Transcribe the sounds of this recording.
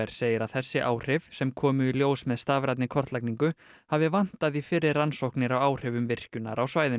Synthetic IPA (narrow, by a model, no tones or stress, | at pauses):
ɛɾ̥seːjɪɾaðθɛsːɪʔaːwr̥ɪvsɛmkʰɔːmʏiljoːwsmɛðst̪aːvɾat̪nɪkʰɔr̥t̪lajkniŋkʏ | havɪvan̥t̪aðifɪrːɪɾːansowhknɪɾawaːwr̥ɛvʏmvɪr̥cʏna̰ɾawsvaːjðɪ